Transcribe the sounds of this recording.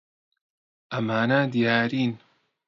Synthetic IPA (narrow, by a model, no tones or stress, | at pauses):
ʔɐmaːnad̪ijaːɾiːn